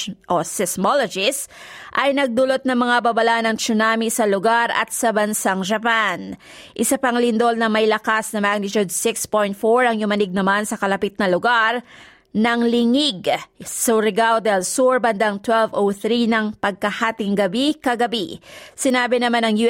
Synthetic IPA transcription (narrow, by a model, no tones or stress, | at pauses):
ʔosɪsmolod͡ʒɪs | ʔɐjnɐɡ̚d̪ulot̪̚nɐŋmɐŋabɐbɐlaʔnɐŋt͡ʃʊnamisɐlʊɡaɾʔɐ̰t̪sɐbɐnsaŋd͡ʒɐpan | ʔɪsɐpɐŋlɪnd̪o̞lnɐmɐjlɐkasnɐmaɡ̚nɪt͡ʃud̪̚sɪkspojnt̪̚foɹɐŋjʊmɐnɪɡ̚nɐmansɐkɐlɐpit̪̚nɐlʊɡaɾ | nɐŋlɪŋiɡsʊɾɪɡawd̪ɛlsuɹbɐnd̪ɐŋt̪wɛlvowθɾinɐŋpɐɡ̚kɐhaːt̪ɪŋɡɐbikɐɡɐbisɪnaːbɪnɐmanɐŋju